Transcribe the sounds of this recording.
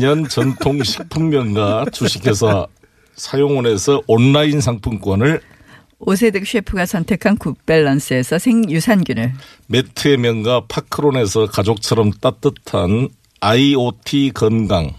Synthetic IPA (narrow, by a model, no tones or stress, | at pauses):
ɲʌnt͡ɕʌntʰoŋɕʰi̥k̚p͈ʰummjʌnɡat͡ɕuɕʰikʰe̞sʰʌ | sʰajoŋʌne̞sʰʌʔʌnːainsʰaŋpʰunk͈wʌnɯɭ | os̬ʰedek̚ɕɥepʰuɡasʰʌntʰe̞kʰankup͈eɭːʌns͈ɯe̞sʰʌsʰeŋjusʰanɡjunɯɭ | metʰɯemjʌnɡapʰakʰɯɾone̞sʰʌkad͡ʑok̚t͡ɕʰʌɾʌmt͈at͈ɯtʰan | aiotʰikʌnɡaŋ